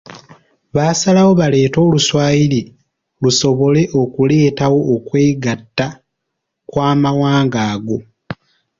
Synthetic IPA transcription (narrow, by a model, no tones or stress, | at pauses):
βaːsalawo̞βale̞ːto̞ːluswaːjili | luso̞βo̞le̞ʔo̞kule̞ːtawo̞ːkwe̞ːɡatːa | kwaːmawaːŋɡaːɡo̞